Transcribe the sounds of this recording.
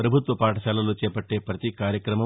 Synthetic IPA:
ɾɐbʱut̪ʋɐpaːʈɐʃaːlɐloːt͡ʃɛːpɐʈːeːpɾɐt̪ikaːɾjɐkɾɐmɐ

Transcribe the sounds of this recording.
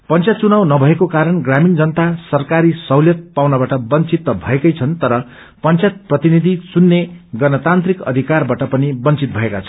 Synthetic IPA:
pʌnt͡sjat̪t͡sunawnʌbʱʌekokaɾʌnɡramind͡zʌnt̪asʌrkaɾisʌwljʌt̪̚pawnabaʈʌbʌnt͡sit̪ːʌbʱʌ̰ekʌjt͡sʰʌnt̪ʌɾʌ | pʌnt͡sjat̪̚prʌt̪inid̪ʱit͡sunːeɡʌnʌt̪ant̪rikʌ̰d̪ʱikarbaʈʌpʌnibʌnt͡sit̪̚bʱʌekat͡sʰʌ̥

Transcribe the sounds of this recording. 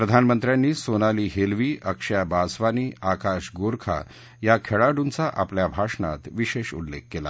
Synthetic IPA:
pɾəd̪ʱanmənt̪ɾjanːiːsonaliːɦelʋiːʔəkʂjabasʋaniːʔakaʂɡoɾkʰa̰ | jakʰeɭaɽunt͡saʔapljabʱaʂna̰t̪ʋiɕeɕṵllḛkːela̰

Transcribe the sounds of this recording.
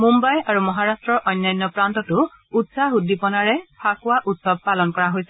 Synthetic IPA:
mumbajaɹumɔɦaɹastɹɔɹʔɔjnːajnːɔpɹant̪ɔtʊ | utsaɦudipɔnaɹɛpʰakʊwaʔutsɔb̚palɔnkɔɹaɦojsɛ

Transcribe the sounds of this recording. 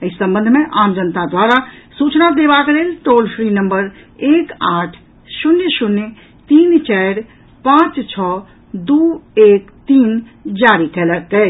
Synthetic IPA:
əisə̃mbə̃nd̪ʱmẽʔamd͡ʒənt̪ad̪waɾasut͡ʃnad̪ebakelelʈolpʰɾinəmbəɾ | ekaʈʰ | ʃunjəʃunj | t̪int͡ʃɛɾ | pãt͡ʃt͡ʃʰɔ | d̪uekt̪in | d͡ʒaɾikɛlək̚t̪ɛ

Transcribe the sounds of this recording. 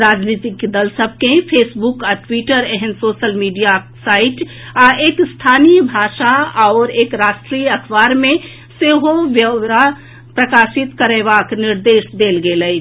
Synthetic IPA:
ɾaːd͡ʒnit̪ikd̪əlsəb̚ʱkepʰeːsbukaʈwiʈəɾɛɦənsoːʃəlmiːɖija | saːɪʈ | aʔeːkst̪ʰaːnijbʱaːʃaaːɾeːkɾaːsʈɾijəkʰbaːɾmẽ | seɦoʋjəɾa | pɾəkaːsit̪kəɾeβaknɪɾd̪eːʃd̪eːlɡeləi

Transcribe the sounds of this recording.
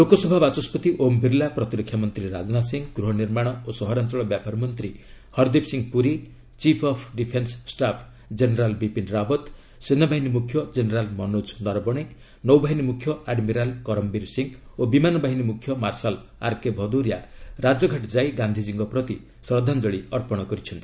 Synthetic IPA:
lokɔsɔbʱabat͡ʃɔspɔt̪iʔombʱiɾlapɾɔt̪iɾɔkʰːjamɔnt̪ɾiɾa̰d͡ʒnasiŋɡɡɾuɦɔniɾmaɽ̃ɔosɔɦɔɾant͡ʃɔɭɔbjapaɾmɔnt̪ɾi | hɔɾd̪ipsiŋɡpuɾi | t͡ʃipʰɔpʰɖipʰenssʈapʰ | d͡ʒeneɾalbipinɾabɔt̪ | senɔbʱaɦinimukʰːjɔd͡ʒeneɾalmɔnud͡ʒnɔɾbɔɽ̃e | nɔwbaɦinimukʰjɔaɖmiɾalkɔɾɔmbiɾsiŋobimanɔbaɦinimukʰjɔmaɾsala̰ɾkebʱɔd̪uɾjaɾad͡ʒɔɡʱaʈd͡ʒajɡand̪ʱid͡ʒiŋɡɔpɾɔt̪i | sɾɔd̪ʱand͡ʒɔɽiɔɾpɔɽ̃ɔkɔɾit͡ʃʰɔnt̪

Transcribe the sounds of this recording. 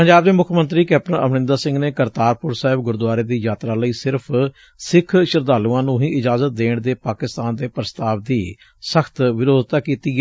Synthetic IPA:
pəɲd͡ʒaːbd̪eːmʊkʰmənt̪ɾiːkɛːp̚ʈənə̰ʋnɪ̃nd̪aːsɪ̃ŋɡneːkəɾt̪aːɾpʊɾsaːɦɪbɡʊɾd̪waːɾeːd̪iːjaːt̪ɾaːləiːsɪɾpʰ | sɪkʰʃɪɾd̪aːlũːãːnũːɦĩːʔɪd͡ʒaːzət̪̚d̪eːɳd̪eːpaːkɪst̪aːnd̪eːpɾəst̪aːʋd̪iː | səxʰt̪ʋɪɾoːd̪t̪aːkiːt̪iːɡ

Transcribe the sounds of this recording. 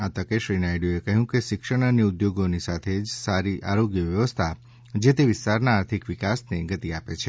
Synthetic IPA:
at̪əkeʃɾinajɖjuekəɦjũkeʃɪkʃəɽ̃aniʊd̪joɡonisat̪ʰed͡ʒsaɾiʔaɾoɡjəʋjəʋəst̪ʰa | d͡ʒet̪eʋɪst̪aɾnaːɾt̪ʰikʋikasneɡət̪iapet͡ʃʰe

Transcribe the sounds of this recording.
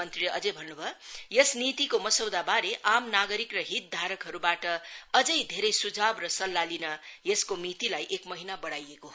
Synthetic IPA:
ʌnt̪riʌd͡zʌjbʱʌnːubʱʌjesnit̪ikomʌsʌwd̪abaɾeʔamnaɡʌɾikrʌɦit̪̚d̪ʱaɾʌkɦʌɾubaʈʌʌd͡zʌjd̪ʱeɾʌjsud͡zabrʌsʌlːalinʌjeskomit̪ilajʔekmʌɦinabʌɽajeko

